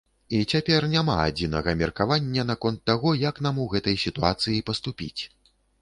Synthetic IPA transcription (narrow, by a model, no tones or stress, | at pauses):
it͡sʲapʲɛrnʲama̰a̰d͡zʲinɐɣɐmʲɛrkavanʲːɐnakɔnt̪ːaɣɔjɐknamuɣɛt̪ɐjsʲit̪uat̪sɨjipɐst̪upʲḭt͡sʲ